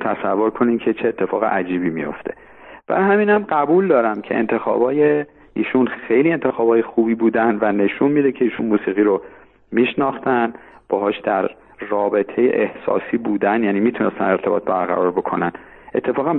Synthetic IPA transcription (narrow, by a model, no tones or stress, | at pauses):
t̪ʰæsævːo̞ɾkʰo̞nimcʰe̞t͡ʃʰeːt̪ʰːe̞fɒːɣeʔæd͡ʒiːbiːmḭjo̞̰ft̪ʰe̞̥̰ | b̥æ̰hæmiːnæmɢæbuːld̪ɒːɾæmcʰe̞̰ḛnt̪ʰe̞xɒ̰ːbɒːje | iːʃunxejlie̞nt̪ʰe̞xɒːbɒːje̞xuːbiːbuːd̪ænvæne̞ʃunmiːd̪e̞cʰe̞iːʃunmuːsiːɣiːɾo | miːʃnɒːxt̪ænb̥ɒːɦɒːʃd̪̥æɾː | ɒːbe̞t̪ʰe̞jḛʔehsɒ̰ːsiːbuːd̪ænjæːniːmiːt̪ʰunest̪æ̰ne̞ɾt̪ʰe̞bɒ̰ːt̪̚bæɾɣæ̰ɾɒːɾbo̞kʰo̞̰næn | ʔe̞t̪ʰːe̞fɒːɣæm